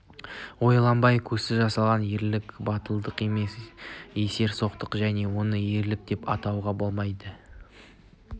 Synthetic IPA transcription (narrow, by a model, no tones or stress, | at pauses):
wo̞jlˠɑmbɑjkʲʰɵsɪʒɑsɑlˠʁɑnje̞ɾlɪkbɑt̪əlˠd̪əqe̞me̞se̞se̞ɾso̞qt̪əqʒæne̞wo̞nəe̞ɾlɪp̚d̪̥e̞pɑ̰t̪ɑwʁɑbo̞lˠmɑjd̪ə